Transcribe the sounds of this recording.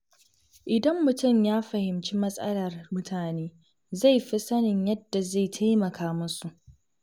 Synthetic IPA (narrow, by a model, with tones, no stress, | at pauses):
ʔɪ˨dɐ˦mːʊ˨tʊ˦˨mjaː˦ɸɐ˨hɪ˨mt͡ʃi˦mɐ˦sʼɐ̰˦lɐ˨rmʊ˦tʰaː˨neː˦ | za˦˨jɸi˦sɐ˦nɪ˨ɲjɐ˦dːa˨za˦˨jtʰa˦jmɐ˨kʰaː˦mʊ˦su˨ʔ